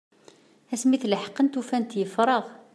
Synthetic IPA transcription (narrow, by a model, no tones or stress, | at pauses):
æsmiθləħə̥qːənt̪ufænt̪jəfɾˤəʁ